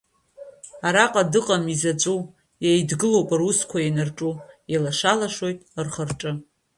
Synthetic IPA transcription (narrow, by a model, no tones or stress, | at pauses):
aɾaqʼadɨqʼamizat͡ʃʷʼu | jajdɡɨlo̞wpʼaruskʷʰajanarʈ͡ʂʼujalaʂalaʂo̞jtʼrχərʈ͡ʂʼɨ